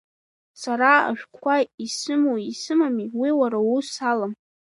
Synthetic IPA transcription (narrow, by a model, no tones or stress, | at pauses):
saɾaa̰ʃᶣkʷkʷʰaisɨmoisɨmamiwiwaɾausalam